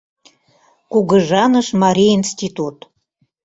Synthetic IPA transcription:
kuɡəʒɑnəʃmɑɾʲiinst̪ʲit̪ut̪

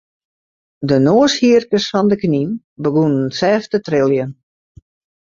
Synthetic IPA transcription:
dənoːəshiərkəsfɔndəknin | bəɡunənsɛːftətrɪlˠjən

